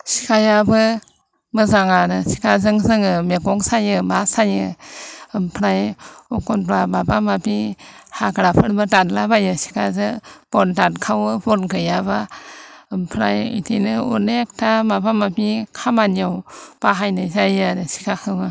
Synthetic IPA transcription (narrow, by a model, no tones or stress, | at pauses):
si̥kʰajabɯ | mɯzaŋaɾɯsi̥kʰazɯŋzɯŋɯmeɡɔŋsajɯmasajɯ | mpʰɾajɔkɔnbɾamabamapʰihaɡɾapʰɯɾbɯdatlabajɯsi̥kʰazɯb̥ɔndatkʰawɯbɔnɡɯjaβa | mpʰɾa̰jḭtʰinɯṵnek̚tʰamabamapikʰamaniawb̥aɦajnɯzajaɾɯsi̥kʰakʰɯŋɯ